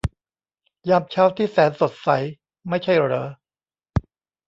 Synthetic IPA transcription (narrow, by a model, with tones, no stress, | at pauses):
jaː˦˥˩p̚t͡ɕʰaː˦˥˩wt̪ʰiː˥˩sɛː˩˦nso˨˩t̪̚sa˩˦j | ma˥˩jt͡ɕʰa˥˩jɾɤː˨˦